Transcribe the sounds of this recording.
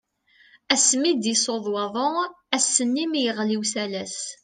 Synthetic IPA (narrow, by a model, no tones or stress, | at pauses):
æsmid̪isoðˤwɑðˤo | æsːənːimjəʁliwsælæs